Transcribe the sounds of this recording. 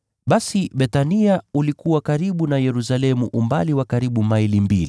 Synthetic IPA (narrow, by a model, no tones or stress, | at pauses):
ɓasiɓɛtaniaulikuwakaɾiɓunajɛɾus̬alɛmuʔumbaliwakaɾiɓumailimbili